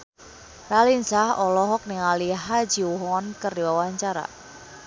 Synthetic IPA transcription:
ralinsahɔlɔɦɔk̚niŋaliɦad͡ʒiwuɦɔɔnkərdiwawaɲt͡ʃaɾa̰

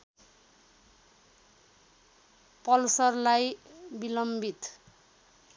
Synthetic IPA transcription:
pʌlsʌrlajbilʌmbʱit̪

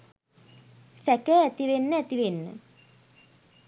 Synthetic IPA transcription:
sækəæt̪iʋenːəæt̪iʋenːə̰

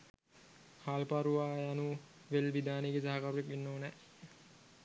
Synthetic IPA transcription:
haːlpaɾuʋaːanu | ʋelʋid̪aːneɡesaɦakaɾuepinːoːnɛ

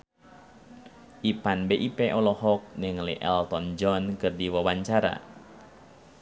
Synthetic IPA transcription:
ʔipanbeʔipɛʔɔlɔhɔk̚nɛŋlḭʔɛ̰lt̪ɔnd͡ʒɔnkɨrdiwawaɲt͡ʃaɾa̰

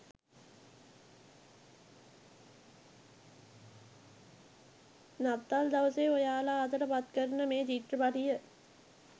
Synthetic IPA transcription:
nat̪ːald̪aʋəseojaːlat̪əɾəpat̪kəɾnəmeːd͡ʒiʈrəpaʈijə

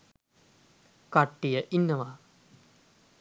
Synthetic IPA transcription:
kaʈːijəʔinːəʋa

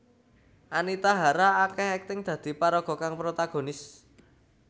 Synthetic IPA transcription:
ʔanit̪aɦaɾaːkɛɦɛk̚t̪ɪŋd̪̥ä̤d̪̥i̤paɾɔɡ̥ɔ̤kaŋpɾot̪aɡ̥o̤nɪs

